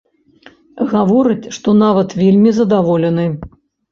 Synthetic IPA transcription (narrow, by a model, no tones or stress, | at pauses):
ɣavɔɾɨt͡sʲʂt̪ɔn̪avɐt̪vʲelʲmʲizɐd̪avɔlʲɛnɨ